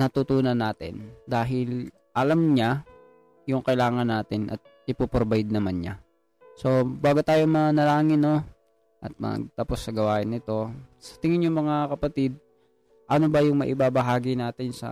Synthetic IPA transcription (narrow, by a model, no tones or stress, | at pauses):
nɐt̪ut̪uːnɐnːaːt̪ɪ̰nd̪aːɦɪl | ʔɐlamɲa | jʊŋkɐɪlaːŋɐnːaːt̪ɪnʔɐ̰t̪̚ | ɪpoːpɾobɐjɪd̪̚nɐmanɲa̰ | so̞baːɡʊt̪aːjomɐnɐlaːŋɪno̞ | ʔɐt̪̚mɐ̰ɡ̚t̪aːpo̞sːɐɡɐwaːʔɪnːɪt̪o̞sɐ̥t̪ɪŋɪnjʊŋmɐŋakɐpɐt̪ɪd̪̚ | ʔɐnobɐjʊŋmɐ̰ʔɪbabɐɦaːɡɪnaːt̪ɪnsɐ̰